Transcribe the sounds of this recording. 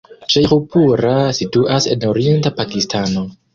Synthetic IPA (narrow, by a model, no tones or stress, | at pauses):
ʃejxupuɾasituʔase̞̰noɾie̞ntapakistano̞